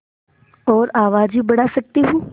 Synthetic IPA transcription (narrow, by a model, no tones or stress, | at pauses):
ɔːɾaːʋaːd͡ʒiːbəɽaːsək̚t̪iːɦũː